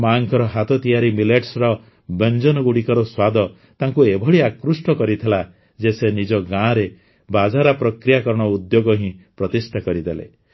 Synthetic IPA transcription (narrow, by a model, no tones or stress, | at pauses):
maŋkʰɔɾɔɦat̪ɔt̪ijaɾimileʈsɾɔ | bend͡ʒɔnɔɡuɽikɔɾɔswad̪ɔ | t̪aŋkuebʱɔɭiakɾusʈɔkɔɾit̪ʰila | d͡ʒesenid͡ʒɔɡãɾe | bad͡ʒaɾapɾɔkɾijakɔɾɔɽ̃ɔud̪joɡɔɦĩpɾɔt̪isʈʰakɔɾid̪elḛ